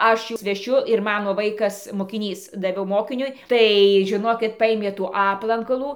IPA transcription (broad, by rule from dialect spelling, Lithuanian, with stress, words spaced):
ˈɐʃ ˈjʊs ʋʲɛˈʃʲʊ ɪr ˈmɑːnoː ˈʋɐɪkɐs moːkʲɪˈnʲiːs dɐˈʋʲɛʊ ˈmoːkʲɪnʲʊɪ ˈtɐɪ ʒʲɪˈnoːkʲɪt ˈpɐɪmʲeː tuː ˈɑːplˠɐŋkɐlˠuː